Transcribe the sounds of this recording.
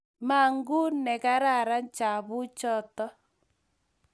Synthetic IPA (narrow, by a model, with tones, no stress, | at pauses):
ma˨ŋɡu˦nɛ˨ka˦ɾa˦˨ɾa˦n˦t͡ʃa˨βʊ˦t͡ʃɔ˦tɔ˦